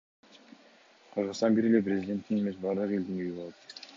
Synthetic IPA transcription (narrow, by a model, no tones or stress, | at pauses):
qʰəɾʁəst̪ɑnbiɾe̞le̞p̬ɾʲezʲidʲe̞nt̪ːine̞me̞s̬bɑɾd̪əʁe̞ld̪iŋyjybo̞lˠɑt̪